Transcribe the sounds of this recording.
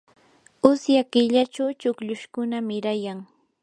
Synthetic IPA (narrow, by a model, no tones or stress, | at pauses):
ʊsjakɪʎat͡ʃawt͡ʃʊkʎʊʃkʊnamɪɾajaŋ